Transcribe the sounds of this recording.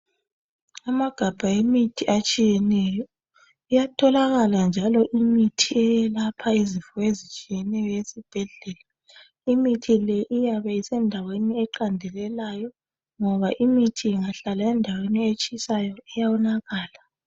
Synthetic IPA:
amaɡ̥ʱab̥ʱaimitʰiʔat͡ʃʼijɛnɛjɔ | ijatʰɔlaɣaland͡ʒʱalɔʔimitʰiɛjɛlapʰaizifɔezit͡ʃʼijɛnɛjɔjesib̥ʱɛɮɛːla | imitʰilɛʔijaβaisɛndʱaweniɛǃandʱɛlɛlajɔ | ŋɔβaʔimitʰiːŋaɬalaɛndʱaweniet͡ʃʼisajɔɛjawɔnaɣaːla

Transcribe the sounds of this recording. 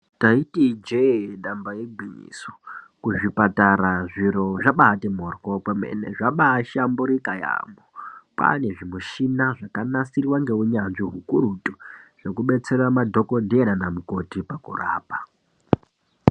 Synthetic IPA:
taitid͡ʒeɗambajeɡʱiɲḭso̥kuʐipataɾaʐiro̞ʐaɓaːtemorkokemḛne̞̰ʐaɓaːʃambuɾikaja̰ːmopa̰ne̞ʐimuʃinaʐakanasiriwaŋɡe̞uɲanʐiɦukurutuʐ̥e̞kuɓe̞t͡se̞ramadʱo̞ko̞dʱeɾanamuko̞tipakṵra̰ːpa

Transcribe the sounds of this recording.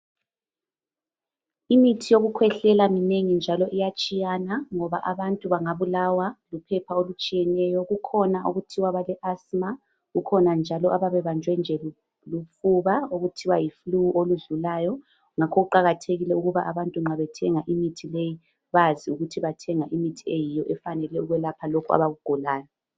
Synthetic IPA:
imitʰijoɣukʰwɛɬɛlamineŋind͡ʒʱalɔʔijat͡ʃʼijanaŋɔβaʔaβantʼuβaŋaβulawalupʰɛpʰaolut͡ʃʼijɛnɛjɔɣukʰɔnaoɣutʰiwaβalɛʔasma | ɣukʰɔnand͡ʒʱalɔʔaβaβɛβand͡ʒʱwɛnd͡ʒʱɛ | lufuβaoɣutʰiwajifluʔoluɮulaːjɔ | ŋakʰɔɣuǃaɣatʰeɣilɛuɣuβaʔaβantʼuŋ͡ǁaβɛtʰɛŋaʔimitʰileji | βaziuɣutʰiβatʰɛŋaʔimitʰiejijɔʔɛfanɛlɛuɣwɛlapʰalokʰua̰βaɣuɡ̥ʱɔlaːjɔ

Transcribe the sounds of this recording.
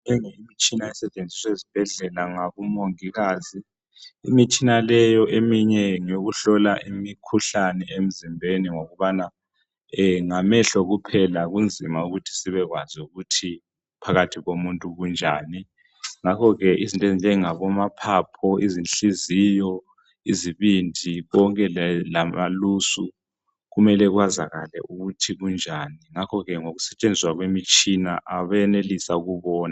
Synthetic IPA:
ɛŋɛimit͡ʃʼinaɛsɛt͡ʃʼend͡zʱiswezib̥ʱɛɮɛlaŋaβumoŋiɣaːzḭː | mit͡ʃʼinalɛjɔʔemiɲɛŋoɣuɬɔlaʔimikʰuɬanɛʔem̩zimbʱeniŋoɣuβana | ɛŋamɛɬɔɣupʰɛlaɣund͡zʱimauɣutʰi̥siβɛɣwazuɣutʰi | pʰaɣatʰiɣomuntʼuɣund͡ʒʱa̰ːni | ŋakʰɔɣɛʔizintʼezind͡ʒʱɛŋaβɔmapʰapʰɔizinɬiziːjɔ | iziβindʱiɣɔŋkʼɛlamalusu | ɣumɛlɛɣwazaɣalɛ̰ʔuɣutʰiɣund͡ʒʱaniŋakʰɔɣɛŋoɣusɛt͡ʃʼend͡zʱiswaɣwemit͡ʃʼinaʔaβaɛnelisauɣuβɔːna

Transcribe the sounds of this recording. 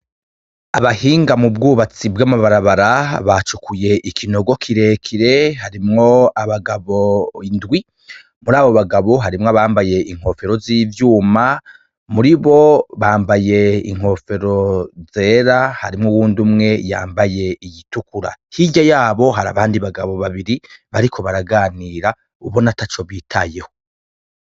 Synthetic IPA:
aβahiːŋɡamubɡuːβat͡sibɡamaβaɾaβaɾaβat͡ʃukuje̞ʔikʰino̞ɡo̞kʰiɾe̞kʰiɾe̞haɾimŋo̞aβaɡaβoindɡwi | muɾaːβo̞βaɡaβo̞ɦaɾimŋaβaːmbaje̞ʔiŋ̥ho̞fe̞ɾo̞ziːvjuːma | muɾiβo̞βaːmbaje̞ḭŋ̥ho̞fe̞ɾo̞ze̞ːɾahaɾimŋuwuːndumŋe̞ja̰ːmbaje̞ijitukuɾa̰hiɟajaːβo̞ɦaɾa̰βaːndiβaɡaβo̞βaβiɾiβaɾikʰo̞βaɾaɡaːniːɾa | uβo̞natat͡ʃo̞βiːtʰaje̞ho

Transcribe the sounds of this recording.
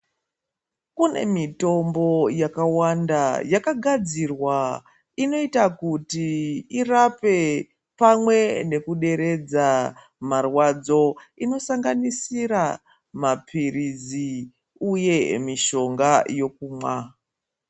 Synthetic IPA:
kune̞̰mito̞mbo̞jakawandajakaɡʱad͡zirwa | ino̞itakutiirape̞ | pamwe̞ne̞kuɗe̞ɾe̞d͡za | marwad͡zo̞ino̞saŋɡanisiɾa | mapʰirizi | uje̞miʃo̞ŋɡajo̞kuːmwa

